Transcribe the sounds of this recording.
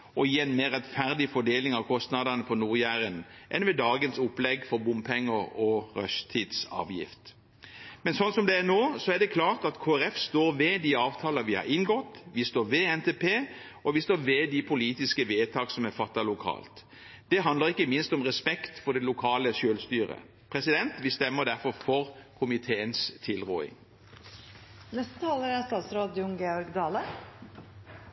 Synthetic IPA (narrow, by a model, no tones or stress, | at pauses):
ɔjiːɛɪnmeːɾʁɛt̪fæɾd̪ɪfɔɖ̪eːlɪŋɑʋkʰɔst̪nɑd̪ɑnəpʰɔnuːɾjæːɾənʔɛnʋɛd̪ɑːɡənsʊplɛɡfɔɾbʊmpʰɛŋːəɔʁœ̰st̪ʰiːd̪sɑ̰ːʋjɪ̰ft̪ | mɛnsɔnsɔmd̪ɛænoːsɔæʁɖ̪ɛkʰlɑːʁt̪ɑt̪kʰoːæɾɛfst̪oːɾʋɛd̪iːɑːʋt̪ʰɑːlɑʋɪhɑ̰ɾɪnɡɔt̪ːʋɪst̪oːʋɛɛnt̪ʰeːpʰeː | ɔʋɪst̪oːʋɛd̪ipʰʊliːt̪ɪskəʋeːt̪ʰɑːksɔmæfɑt̪ːɑlʊkʰɑ̰ːlt̪ | d̪̥ɛɦɑnd̪ləʁɪkːəmɪnst̪ɔmʁɛspɛkt̪fɔʁd̪ɛlʊkʰɑːləʃøːlst̪yːʁə̰ | pʰɾɛsɪd̪ɛnt̪ʋɪst̪ɛmːəd̪æʁfɔɾfɔʁkʰʊmɪt̪ʰeːənst̪ʰɪlʁṵːɪ̰ŋ | nɛst̪ə̥t̪ʰɑːləɾæst̪ɑːt̪sɾoːd̪jʊŋɡeːɔɾɡd̪ɑːlə